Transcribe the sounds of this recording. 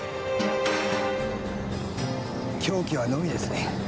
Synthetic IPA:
kʲʰo̞ːkʲiβanomʲid̪e̞sɨne

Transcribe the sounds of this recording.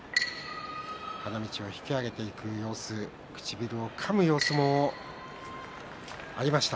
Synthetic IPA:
hanamʲit͡ɕio̞çi̥kʲiaɡe̞t̪e̞ikɯ̟jo̞ːsɨ | kɯ̥t͡ɕibʲiɾɯ̟o̞kʰamɯ̟jo̞ːsɨmo̞ | aɾʲimaɕi̥t̪a

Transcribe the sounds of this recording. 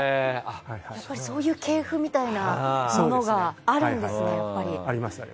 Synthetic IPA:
eajapːaɾʲiso̞ːjɯ̟ːkʰe̞ːɸɯ̟mʲit̪ainamono̞ɡaːɾɯ̟̃nd̪e̞sɨnejapːaɾʲiaɾʲimas

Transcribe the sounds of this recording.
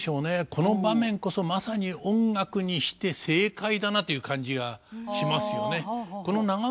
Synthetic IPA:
ɕo̞ːne̞kʰo̞no̞bamẽ̞ŋko̞so̞masaɲ̟iõ̞ŋɡakɯ̟ɲ̟iɕi̥t̪e̞se̞ːkaid̪anat̪o̞jɯ̟ːkãɲ̟d͡ʑiɡaɕimasɨjo̞ne̞ko̞no̞naɡa

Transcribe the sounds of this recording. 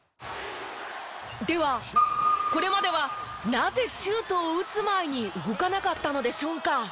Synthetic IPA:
d̪e̞βa | ko̞ɾe̞mad̪e̞β̞a | naze̞ɕɨːt̪o̞ːɯ̟t͡sɨmaiɲ̟iɯ̟ɡo̞kanakat̪ːano̞d̪e̞ɕo̞ːka

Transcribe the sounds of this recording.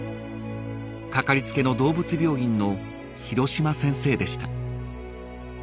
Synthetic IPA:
kakaɾʲit͡sɨ̥ke̞no̞d̪o̞ːbɯt͡sɨbʲjo̞ːĩnno̞ | çiɾo̞ɕimasẽ̞ɰ̃se̞ːd̪e̞ɕi̥t̪a

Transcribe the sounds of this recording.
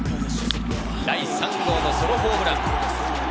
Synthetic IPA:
d̪aisãŋkʰoːnosoɾoɦoːbɯɾãŋ

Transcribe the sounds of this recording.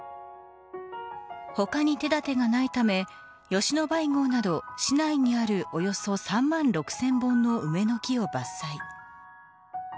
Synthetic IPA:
ho̞kaɲ̟it̪e̞d̪at̪e̞ɡanait̪ame̞ | jo̞ɕino̞baiŋo̞ːnad̪o̞ɕinaiɲ̟iaɾɯ̟ʔo̞jo̞so̞sãmːãnɾo̞kɯ̟̥sẽ̞mbõ̞nːo̞ʔɯ̟me̞no̞kʲio̞basːai

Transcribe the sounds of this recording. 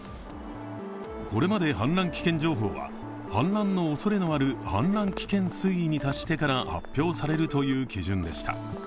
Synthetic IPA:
ko̞ɾe̞mad̪e̞ɦãnɾãŋkʲi̥kẽ̞ɲ̟d͡ʑo̞ːɦo̞̰ːβa̰ | hã̰nɾãnːo̞ːso̞ɾe̞no̞aɾɯ̟hã̰nɾãŋkʲi̥kẽ̞ɰ̃sɨiiɲ̟it̪aɕi̥t̪e̞kaɾaha̰pʲːjo̞ːsaɾe̞ɾɯ̟t̪o̞jɯ̟ːkʲiʑɨ̃nd̪e̞ɕi̥t̪a̰

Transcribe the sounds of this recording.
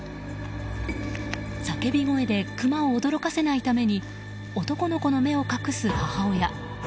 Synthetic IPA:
sake̞bʲiɡo̞e̞d̪e̞kɯ̟mao̞ːd̪o̞ɾo̞kase̞nait̪ame̞ɲ̟i | o̞t̪o̞ko̞no̞ko̞no̞me̞o̞kakɯ̟sɨhahao̞ja

